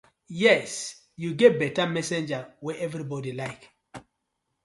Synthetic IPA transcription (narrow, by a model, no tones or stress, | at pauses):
jɛs | juɡɛt̚bɛtamɛsɛ̃nd͡ʒawɛʔɛvɹibɔdilaɪk